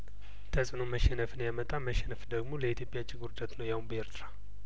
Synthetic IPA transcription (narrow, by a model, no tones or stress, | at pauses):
t̪ʰəsʼɨno̞məʃɛnəfɨnjamət̪ʼaməʃɛnəfd̪əɡmo̞ləit̪ʰjopʼjat͡ʃʼːɪɡuɾd̪at̪nəwjawunbəeɾt̪ʰɨɾa